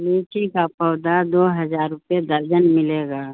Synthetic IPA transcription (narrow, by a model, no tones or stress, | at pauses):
liːʈikapəwd̪ad̪oːɦəzaːɾʊpjed̪əɾd͡ʒənmɪleːɡaː